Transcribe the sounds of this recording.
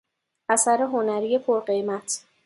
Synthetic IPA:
ʔæsæɾe̞ɦonæɾiːje̞pʰoɾɢe̞jmæt̪ʰ

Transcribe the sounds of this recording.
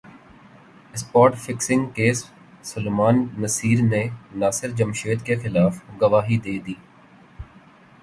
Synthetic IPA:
ɪspɔːɾʈfɪksɪ̃ŋɡkeːsː | ʊlemaːnːəsiːɾnenaːsɪɾd͡ʒɐmʃeːt̪kexɪlaːfɡɐʋaːɦid̪eːd̪iː

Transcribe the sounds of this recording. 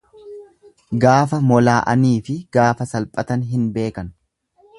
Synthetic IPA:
ɡaːfɐmɔlaːʔɐ̰niːfɪɡ̥aːfɐsɐlpʼɐt̪ɐnɦɪnbe̞ːkɐn

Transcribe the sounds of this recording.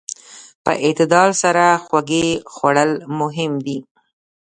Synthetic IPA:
pə̰ʔɪt̪ɪd̪ɑɾsaɾaxwaɡexwaɽəlmʊɦɪmd̪i

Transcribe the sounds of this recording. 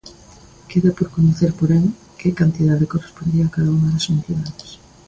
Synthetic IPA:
keðapoɾkonoθeɾpoɾeŋ | kekant̪iðaðekorespond̪iakaðauŋaðasfunθjonaðos

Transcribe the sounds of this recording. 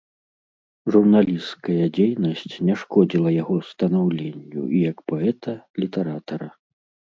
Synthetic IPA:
ʐurnalʲiskɐjɐd͡zʲejnɐsʲt͡sʲnʲɛʂkɔd͡zʲilˠɐjaɣɔst̪ɐnawlʲenʲːṵijɐkpɔɛt̪ɐlʲit̪ɛɾat̪ɐɾɐ

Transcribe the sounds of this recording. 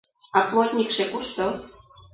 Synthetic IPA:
ɑplˠot̪ʲnʲikʃekuʃt̪ŏ

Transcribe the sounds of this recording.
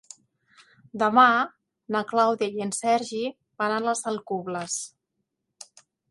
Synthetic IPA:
d̪əma | nəklawðjajənsɛɾʒi | banələsəlˠkuβləs

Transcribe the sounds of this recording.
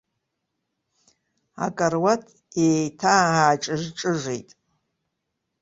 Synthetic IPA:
a̰kʼarwatʰ | ejtʰaaːʈ͡ʂʼɨʒʈ͡ʂʼɨʐejtʼ

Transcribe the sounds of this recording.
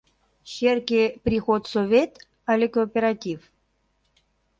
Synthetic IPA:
ɕerkʲepɾʲixot̪sovʲet̪ | alʲekopʲeɾat̪ʲif

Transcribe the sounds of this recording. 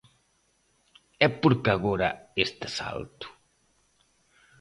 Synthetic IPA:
ɛpoɾkaɣoɾɐ̰est̪e̥sa̰lt̪u̥

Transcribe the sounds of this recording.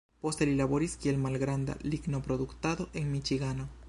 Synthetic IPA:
post̪elilaβoɾiskielmalɣɾand̪a̰liɡnopɾoðukt̪aðoʔeŋmit͡ʃiɣano

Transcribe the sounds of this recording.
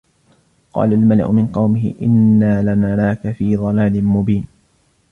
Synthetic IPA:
qɑ̰ːlalmala̰ʕʊ̰mɪnqɑwmɪɦɪ̰ʔɪnːaːlanalaːkafiːðˤɑlaːlɪnmʊbiːn

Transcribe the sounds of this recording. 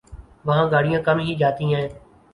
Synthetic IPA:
ʋəɦãːɡaːɽɪjãːkəmɦiːd͡ʒaːt̪ĩːãːɦẽː

